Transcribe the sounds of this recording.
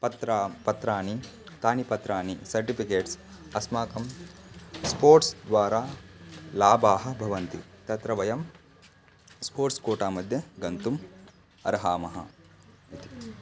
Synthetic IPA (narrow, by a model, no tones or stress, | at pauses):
pɐt̪ɾaːpɐt̪ɾaːni | t̪aːnipɐt̪ɾaːnisɐɾʈipikeːʈs | ɐsmaːkɐm | spoːɾʈsd̪ʋaːɾaːlaːbaːɦɐ̆bʱɐʋɐnt̪ḭt̪ɐt̪ɾɐʋɐjɐm | spoːɾʈskoːʈaːmɐd̪ʱjɐɡɐnt̪um | ɐ̰ɾɦaːmɐɦɐ̰ | it̪i̥